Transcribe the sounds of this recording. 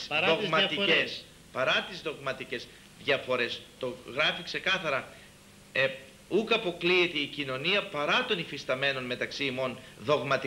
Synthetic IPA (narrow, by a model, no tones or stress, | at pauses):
sðoɣmɐt̪ies | pɐɾɐt̪izðo̞ɣmɐt̪ice̞z | ðʝɐfo̞ɾe̞st̪o̞ɣɾɐfikse̞kɐθɐɾɐ | e | ukɐpo̞kliet̪eicino̞niɐpɐɾɐt̪o̞nifist̪ɐme̞no̞nme̞t̪ɐksiːmo̞nðo̞ɣmɐt̪i